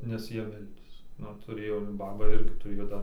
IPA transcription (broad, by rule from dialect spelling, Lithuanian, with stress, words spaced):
nʲɛs ˈjiɛ ˈmʲɛlʲdʲeːs ˈnʊ tʊˈrʲeːjoː ˈbɑːbɐ ˈɪrʲɡʲɪ tʊˈrʲeːjoː ˈdɐr